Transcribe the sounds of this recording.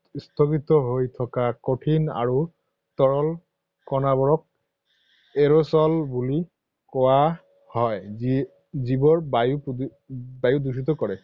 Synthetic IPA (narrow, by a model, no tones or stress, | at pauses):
stʰɔkit̪ɔɦojtʰɔkakoʈʰina̰ɹu | tɔɹɔl | kɔnaβɔɹɔk̚ | eɹosɔlbuli | kɔwa | hɔji | zibɔɹbajup | bajudusit̬ɔkɔɹɛ